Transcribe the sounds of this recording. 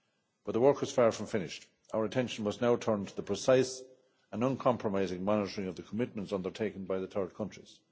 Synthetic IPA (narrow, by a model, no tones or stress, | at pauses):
b̥ʌt̪̚ðəwɜ˞kwʌz̥fɑɹfɹʌ̃ɱfɪ̃nɪʃt | aʊə˞ətʰɛ̃nʃə̃n̩wʌznaʊtʰɜ̃˞ntʰəðəpʰɹ̥ɨsaɪs | ə̃nʌ̃nkʰɑ̃mpʰɹəmaɪzɪ̃ŋmɑnɪɾəɹɪ̃ŋʌvðəkʰəmɪt̚mə̃ntsʌ̃ndə˞tʰeɪkə̃n̩baɪðəθɜ˞d̚kʰʌ̃nt͡ʃɹ̥iz̥